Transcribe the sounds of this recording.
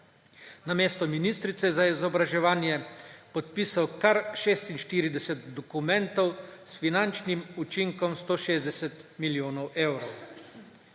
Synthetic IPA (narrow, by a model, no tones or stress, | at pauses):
nameːst̪ɔminist̪ɾit̪sɛzaizɔbɾaʒɛʋaːnjɛpɔt̪̚pisawkaɾʃeːst̪inʃt̪iːɾid̪ɛsɛt̪d̪ɔkumɛnt̪ɔwsfinant͡ʃnimut͡ʃiŋkɔmst̪oːʃeːzd̪ɛsɛt̪miljoːnɔwʔeːwɾɔw